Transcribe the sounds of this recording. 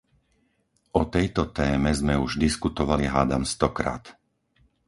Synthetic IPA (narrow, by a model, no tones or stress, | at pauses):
ʔɔt̪ɛjt̪ɔt̪ɛːmɛzmɛuʒd̪iskut̪ɔʋaliɦaːd̪amst̪ɔkɾa̰ːt̪